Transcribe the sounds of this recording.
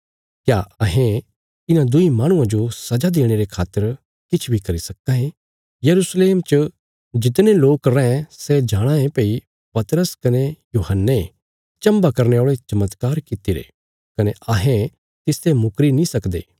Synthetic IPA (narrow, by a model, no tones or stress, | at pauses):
kjaɐɦẽ | t̪ɪnãd̪ʊimaːɽ̃ʊ̃ãd͡ʒosɐd͡ʒad̪eːɽ̃eɾekʰaːt̪ːəɾ | kɪt͡ʃʰbʱikɐɾisɐkːãɦẽ | jɐɾusleːmt͡ʃə | d͡ʒɪt̪̬neloːkɾɛ̃ɛ̃sɛd͡ʒaːɽ̃ãẽpei | pɐt̪ɾəskɐnejuːɦənːe | t͡ʃɐ̃mbakɐɾneoːɭet͡ʃɐmət̪kaːɾkɪt̪iɾḛː | kɐneʔɐɦẽ | t̪ɪst̪emʊkɾinĩsɐkd̪ḛː